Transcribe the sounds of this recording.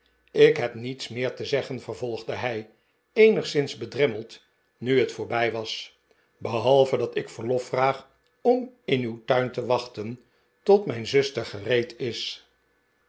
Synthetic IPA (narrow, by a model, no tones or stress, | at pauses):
ɪkɦɛpnitsmɪːɹtəzɛχənvəɹvɔlˠχdəɦɛj | ejnəχsɪnzbədrɛməlˠt | nyɦətfʊːɹbɛjʋɑs | bəɦɑlˠvədɑtɪkfəɹlɔfraːχ | ɔmɪnywtœɥntəʋɑχtən | tɔtmɛjnzɵstəχərejtɪs